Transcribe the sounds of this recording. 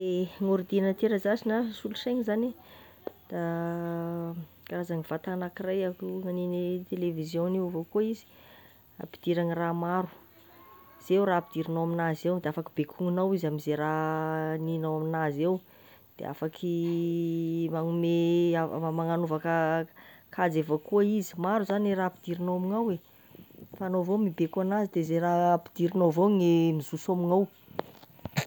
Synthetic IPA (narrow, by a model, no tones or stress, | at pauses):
eŋoɾd̪inət̪eɾəzasinasuluseŋizane | d̪̥a | kaɾazaŋiv̥at̪aanakirajakuŋaninit̪elevizjõneuvokoizi̥ | a̰pi̥d̪̥iɾaŋiramaɾu̥ | z̥ewraːpid̪̥iɾinawaminazewd̪eafakibekʰuŋinawizamizeɾaninawaminazew | d̪̥ḛʔa̰fakʰi | maŋumeamaŋanuvakə | kʰad͡zevakuaizi̥maɾuzaneɾapid̪̥iɾinowamiŋawe | faːnovomibekuanazid̪ezerapid̪̥iɾinovoŋemizusomiŋaw